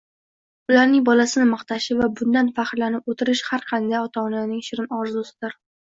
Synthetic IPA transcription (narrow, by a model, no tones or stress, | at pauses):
ʊlaɾnɪŋbɒlasɪnɪmɑqt̪ʰaʃɪvabʊnd̪anfaχɾlanɪpot̪ʰɪɾɪʃhaɾqʰɑnd̪ajɒt̪ʰɒnanɪŋʃɪɾɪnɒɾzʊsɪ̥d̪ɪɾ